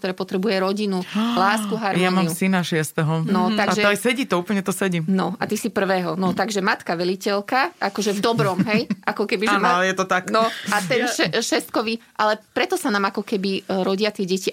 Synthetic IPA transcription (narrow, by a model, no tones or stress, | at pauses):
kt̪ɔɾɛːpɔt̪ɾɛbujɛɾɔɟinulaːskuɦaɾmjɔanmaiumsinaʃɪɛst̪ɛɦɔnɔt̪aɡatʒɛɔsɛɟiːt̪ɔuːpl̩ɲɛt̪ɔsɛɟimnɔa̰t̪isipr̩ʋɛːɦɔnɔt̪aɡʒɛmat̪kaʋɛlicɛlkaʔakɔʒɛvd̪ɔbɾɔmɦɛjʔakɔkɛbiʒaɛmaɔjɛt̪ɔt̪aknɔat̪ɛnʃɛʃɛst̪̚kɔʋiʔalɛpɾɛt̪ɔsanaːmakɔkɛbiɾɔɟɪat̪ɪɛɟɛci